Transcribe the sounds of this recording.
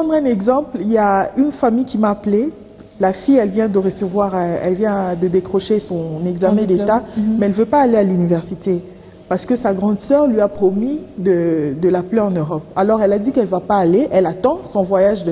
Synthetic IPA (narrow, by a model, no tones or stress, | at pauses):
pχɑ̃d̪ʁɛ̃nɛɡzɑ̃pliljaynfamijkʲimaːple | lafijɛlvjɛ̃d̪əʁəsəvwaʁɛ̰lvjɛ̃d̪əd̪ekχɔʃesɔ̃nɛɡzamɛ̃d̪ettamɛɛlvøpaːlealynivɛʁsit̪e | paʁsə̥kəsaɡʁɑ̃d̪sœʁlɥiapχɔmid̪əd̪əlapleɑ̃nøʁɔp̚alɔʁɛlad̪ikɛlvapaːleʔɛlat̪ɑ̃sɔ̃vwajaʒd